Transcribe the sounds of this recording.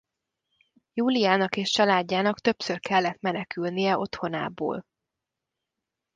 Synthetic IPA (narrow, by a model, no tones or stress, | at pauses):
juːlijaːnɒkeːʃt͡ʃɒlaːɟːaːnɒkt̪ø̞psørkɛlːɛt̪mɛnɛkylnijɛo̞t̪ho̞na̰ːbo̰ːl